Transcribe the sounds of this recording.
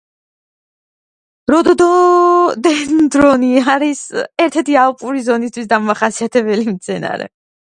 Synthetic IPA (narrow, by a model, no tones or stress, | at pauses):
ɾɔd̪ɔd̪ɔd̪ɛnd̪ɾɔniaɾisɛɾt̪ʰɛɾt̪ʰialpʼuɾizɔnis̬t̪ʰwisd̪amaχasiat̪ʰɛbɛlimt̪sʰɛna̰ɾɛ̰